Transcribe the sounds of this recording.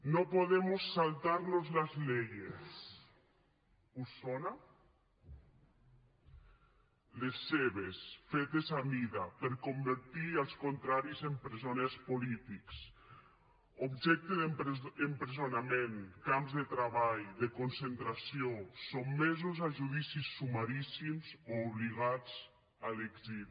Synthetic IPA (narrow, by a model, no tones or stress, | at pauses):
nopoðemosːalˠt̪aɾnozlazlejes | usona | lesːeβesfet̪ezaβiðapeɾkombeɾt̪ialˠskont̪ɾaɾizempɾezonespolit̪iks | obʒɛk̚t̪eðempɾezonamẽŋkamzðet̪ɾaβajðekonsent̪ɾasiosomːezozaʒuðisisːumaɾisimzoːβliɣad͡z | aleɡzil